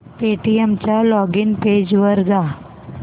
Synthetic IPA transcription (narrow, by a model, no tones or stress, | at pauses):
peʈiemt͡ɕjalɔɡiːnped͡ʑʋəɾd͡za